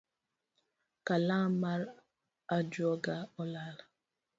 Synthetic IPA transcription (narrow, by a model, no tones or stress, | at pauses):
kalamaɾ | ad͡ʒuɔɡaɔlala